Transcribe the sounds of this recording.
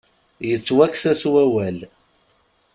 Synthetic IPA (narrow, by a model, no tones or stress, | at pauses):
jət͡sːwækːsæswæwæl